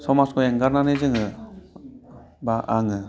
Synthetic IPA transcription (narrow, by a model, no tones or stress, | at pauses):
sɔmaskɔeŋɡaɾnanezɯŋɯ | baʔaŋɯ